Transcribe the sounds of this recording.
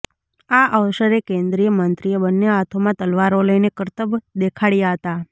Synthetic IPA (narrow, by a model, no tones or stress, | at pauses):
aʔəʋʃəɾekẽnd̪ɾijəmənt̪ɾijəbənːjəɦat̪ʰomãt̪əlʋaɾoləinekəɾt̪əbd̪ekʰaɽjaɦət̪a